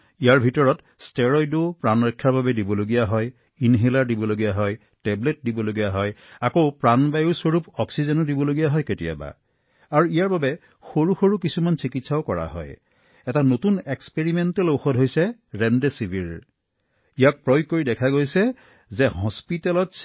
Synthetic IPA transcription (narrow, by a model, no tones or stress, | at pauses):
ijaɹbʱitɔɹɔt | stɛɹɔjdopɹanɹɔkʰːaɹbabɛdibɔloɡijaɦɔj | inɦelaɹdibɔloɡijaɦɔj | tɛblet̚dibɔloɡijaɦɔjakoʊpɹanbajuswɔɹupɔksizɛnɔdibɔloɡijaɦɔjketija̰ba̰ | aɹuijaɹbabɛ | xoɹuxoɹukisumansikitsaʊkɔɹa̰ɦɔ̰j | ɛtanotunɛkspeɹimɛntɛloxɔdɦojsɛɹɛndesibʱiɹ | ijak̚pɹɔj̚kːoɹidɛkʰaɡojsɛ | zɛɦɔ̃spitɛlɔt